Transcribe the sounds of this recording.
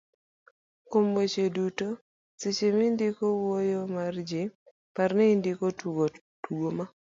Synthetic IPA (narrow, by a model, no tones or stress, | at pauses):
komwot͡ʃeduto | sɪt͡ʃemindikowojomard͡ʒɪ | parnɛindikotɡo | tuɡoma